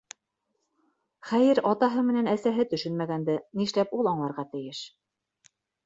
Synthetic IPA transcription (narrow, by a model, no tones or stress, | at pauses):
χæjɘɾɑt̪ɑɦɤmɘ̆nænæsæɦɘt̪ɵ̆ʃɵnmæɡænd̪ɘniʃlæpulˠɑɴlˠɑɾʁɑt̪ɘ̆jɘʃ